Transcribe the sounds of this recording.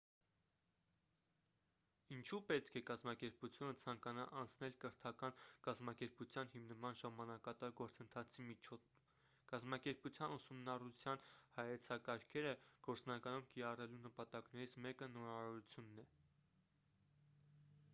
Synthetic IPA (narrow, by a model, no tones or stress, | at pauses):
int͡ʃʰupɛt̪kʰɛkɑzmɑkɛɾput͡sʰjunət͡sʰɑŋkɑnɑ̰ʔɑnt͡sʰnɛlkəɾt̪ʰɑkɑnkɑzmɑkɛɾput͡sʰjɑnhimnəmɑnʒɑmɑnɑkɑt̪ɑɾɡɔɾt͡sənt̪ʰɑt͡sʰimit͡ʃʰ | kɑzmɑkɛɾput͡sʰjɑnusumnɑrut͡sʰjɑnhɑjɛt͡sʰɑkɑɾkʰɛɾəɡ̥ɔɾt͡snɑkɑnumkiɾɑrɛlunəpɑt̪ɑkn̪ɛɾit͡sʰmɛkənɔɾɑɔɾut͡sʰjunːɛ